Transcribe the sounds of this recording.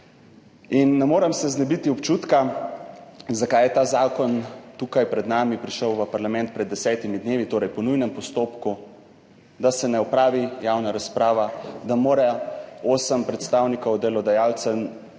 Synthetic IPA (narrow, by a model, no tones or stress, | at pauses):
inːɛmoːɾɛmsɛznɛbit̪iɔpt͡ʃuːt̪ka | zakajɛt̪aːzaːkɔnt̪uːkajpɾɛd̪naːmipɾiʃəwʋəpaɾlamɛnt̪̚pɾɛd̪ːɛsɛːt̪imid̪neːʋit̪oːɾɛjpɔnujnɛmpɔst̪oːpku | d̪asɛnɛɔpɾaːʋijaːwnaɾaspɾaːʋad̪amoːɾɛoːsəmpɾɛt̪st̪aːwnikɔwd̪ɛlɔd̪ajaːlt̪sɛ